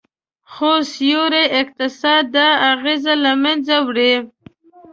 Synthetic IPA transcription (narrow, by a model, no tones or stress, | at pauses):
xosjoɾeɪk̚t̪ɪsɑd̪̚ːaːɣezalamanzawɽe